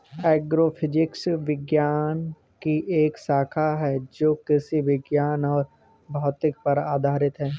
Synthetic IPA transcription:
ɛːɡɾoːfʰɪd͡ʒɪksʋɪɡjaːn | kiʔeːksaːkʰaɦɛd͡ʒoːkɪsiʋɪɡjaːnɔːɾ | bʱaːʋt̪ɪk̚pɐɾaːd̪ʱaːɾɪt̪ɦɛː

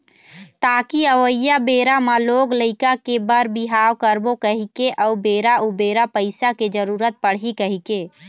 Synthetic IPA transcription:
t̪aːkiəʋəjabeːɾamaloːɡləɪkakebəɾbiɦaːwkəɾbokəɦikeʔɔːbeːɾaubeːɾapəɪsaked͡ʒəɾuːɾət̪̚pəɽ̤ɦikəɦike

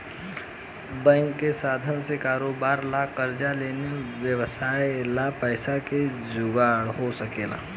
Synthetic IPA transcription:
bɛ̃ŋkːesaːd̪ʱənsekaːɾoːbaːɾlakəɾd͡ʒaleːneʋjəʋəsaːelapəɪsake | d͡ʒʊɡaːɽɦosəkeːla̰ː

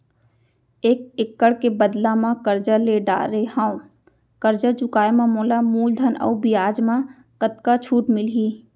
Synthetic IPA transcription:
eːk̚ɪkːəɽkebəd̪lamãkəɾd͡ʒəɾleɖa̰ːɾehãːõ | kəɾd͡ʒəɾd͡ʒʊkaːemãmoːlamuːld̪ʱənɔ̰ːbijaːd͡ʒmã | kət̪̚kat͡ʃʰuːʈmɪlɦiː

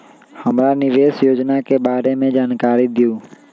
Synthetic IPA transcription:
həmɾanɪʋeːsjoːd͡ʒnakeːbaːɾemẽd͡ʒaːnkaːɾid̪ɪjũː

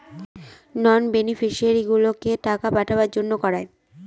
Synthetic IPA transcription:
nɔnbenifiʃiaɾiɡulokeʈakapaʈʰabaɾd͡ʑonːokɔɾae

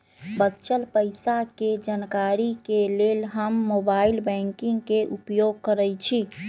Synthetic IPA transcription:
bətːʃəlpəjsaked͡ʒankaɾikelelɦəmːobailbɛ̃ŋkiŋɡkeʔupjoɡkəɾəjt͡ʃʰi

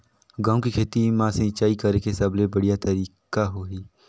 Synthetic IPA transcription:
ɡãːũkikʰeːt̪imãːsə̃t͡ʃaːikəɾekesəblebəɽijat̪əɾiːkaɦoːɦiː

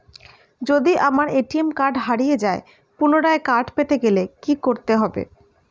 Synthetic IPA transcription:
d͡ʑod̪iʔamaɾeʈiemkaɾɖɦaɽijed͡ʑae | punoɽaekaɾɖpet̪eɡelekikoɾt̪eɦɔbḛ

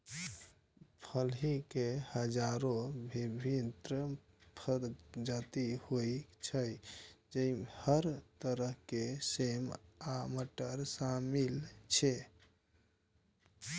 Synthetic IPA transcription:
pʰəlɦikehəd͡ʒaɾobʱibʱint̪ɾə | pʰəɾd͡ʒat̪ihojt͡ʃʰəjd͡ʒəihəɾt̪əɾəɦkesemaməʈəɾsamilt͡ʃʰe

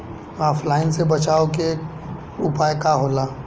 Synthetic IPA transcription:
aːpʰlaːɪnsebɐt͡ʃaːoke | ʊpaːjkaɦoːlaː

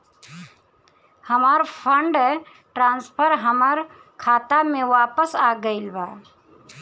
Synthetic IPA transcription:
həmaːɾpʰəɳɖɦɛ | ʈɾãːnspʰəɾɦəmaɾ | kʰaːt̪amẽʋaːpəsaːɡəɪlbaː

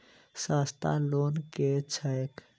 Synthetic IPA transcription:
saːst̪a̰loːnket͡ʃʰəjk

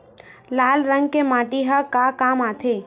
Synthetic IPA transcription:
laːlɾə̃ŋɡ̚kemaːʈiɦəkaːkaːmaːt̪ʰe

